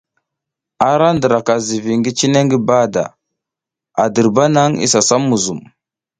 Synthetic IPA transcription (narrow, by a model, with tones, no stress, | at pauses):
a˦ɾa˦ndə˨ɾa˨ka˨zi˨vi˨ŋɡi˦t͡ʃi˦ne˦ŋɡi˦ba˦da̰˨ | a˨di˨ɾba˦na˦ŋḭ˦sa˨sa˦mːu˨zu˨m